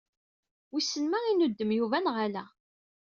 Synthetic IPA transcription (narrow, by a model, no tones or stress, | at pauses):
wisːənmæinud̪ːəmjuvænʁalæ